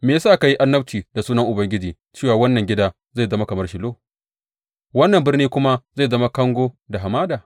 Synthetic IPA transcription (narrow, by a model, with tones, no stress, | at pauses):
meː˨ja˦saː˦˨ka˨ji˦ʔa˦nːɐ˦bt͡ʃiː˨da˨suː˦nɐ˦ŋʔʊ˨bɐ˦ŋɡʲɪ˦d͡ʒiː˨ | t͡ʃeː˦˨waː˨wɐ˦nːɐ˨ŋɡʲɪ˦daː˦ | za˦˨zɐ˦ma˦kɐ˨mɐ˦rʃɪ˨loː˦ | wɐ˦nːɐ˨mbɪ˦rniː˦kʷʊ˦ma˦za˦˨zɐ˦ma˦kɐ˦ŋɡʷoː˦da˨ɦa˨maː˦daː˨